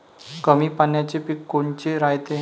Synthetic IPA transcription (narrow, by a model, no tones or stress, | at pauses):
kəmiːpanjat͡ɕepikːoɳt͡ɕeɾajt̪e